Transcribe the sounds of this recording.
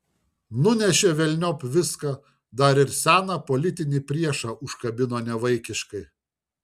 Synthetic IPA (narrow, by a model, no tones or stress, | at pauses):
nʊnʲɛʃʲeːʋʲɛlʲnʲoːpʋʲɪskɑː | d̪ɐɾɪɾsʲæːnɑpɔlʲɪt̪ʲɪnʲiːpʲɾʲiɛʃɑʔʊʃkɐbʲɪnoːnʲɛʋɐɪkʲɪʃkɐɪ